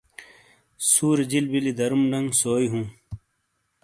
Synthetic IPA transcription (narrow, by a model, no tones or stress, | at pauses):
suːɾd͡ʑilbilid̪ɐɾumɖɐŋɡsoːjɦũː